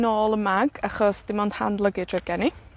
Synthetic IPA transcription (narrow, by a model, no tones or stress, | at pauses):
noːlˠəmaɡaχɔsd̥ɪmond̥ha̰ndlˠəɡɨd̥rɛɡɛni